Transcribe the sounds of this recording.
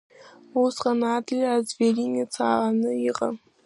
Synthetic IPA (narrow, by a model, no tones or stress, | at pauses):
usqʼanadlʲazveɾinʲet͡sʰaʔanɨiqʼa̰